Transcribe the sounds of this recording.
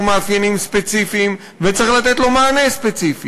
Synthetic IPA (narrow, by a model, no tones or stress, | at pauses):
meafjenimspet͡sifiːm | vet͡siχlat̪et̪lo̞maːnespet͡sifi